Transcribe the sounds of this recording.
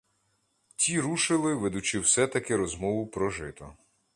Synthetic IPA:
tʲiɾuʃɪlˠɪʋed̪ʊt͡ʃɪwsɛt̪ɐkɪɾɔzmɔʋʊpɾɔʒɪt̪ɔ̰

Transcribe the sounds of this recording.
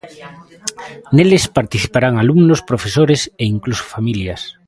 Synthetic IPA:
nelespaɾt̪iθi̥paɾaŋalumnospɾofesoɾeseiŋkluso̥familjas

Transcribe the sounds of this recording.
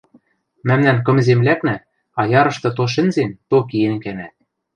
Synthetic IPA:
mæmnænk̬ɤ̆mzemlæknæ | ɑjɑɾɤ̆ʃt̪ɤ̆t̪̬oʃ̬ɘ̆nzent̪okienkæmæt̪̚

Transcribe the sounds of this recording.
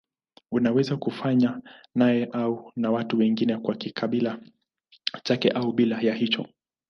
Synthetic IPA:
unawɛzakufaɲanajɛʔaunawatuwɛŋɡinɛkwakikʰaɓila | t͡ʃakɛʔauɓilajahit͡ʃɔ

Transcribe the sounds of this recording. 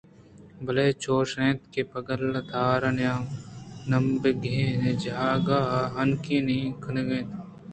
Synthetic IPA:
bɐleːt͡ʃoːʃẽːt̪̚kepɐɡəlɐd̪ʱaːɾɐnjaːmnɐmbeɡʱẽːned͡ʒaːɡaːɦɐnkĩːnikʰəneɡẽːt̪

